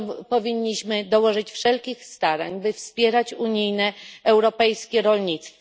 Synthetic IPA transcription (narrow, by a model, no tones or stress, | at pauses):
pɔvʲiɲːiɕmɘd̪ɔwɔʐɘt͡ɕfʂɛlkʲixst̪aɾa̰ɲbɘfspʲjɛɾat͡ɕuɲijnɛɛwɾɔpɛjskʲɛɾɔlɲit̪st̪f